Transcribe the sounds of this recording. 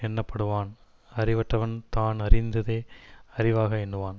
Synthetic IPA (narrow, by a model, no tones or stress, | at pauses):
ɛnːɐpːɐɽɯʋaːn | ɐrɪʋɐʈrɐʋɐnt̪aːnɐrɪnd̪ɐðeːɐrɪʋaːɣɐɛnːɯʋaːn